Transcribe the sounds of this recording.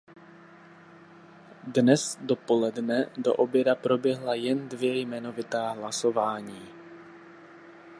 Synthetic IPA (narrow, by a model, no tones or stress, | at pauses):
dnɛsdo̞po̞lɛdnɛdo̞̰ʔobjɛdapɾo̞bjɛɦlajɛndvjɛjmɛno̞vɪt̪aːɦlaso̞vaːɲiː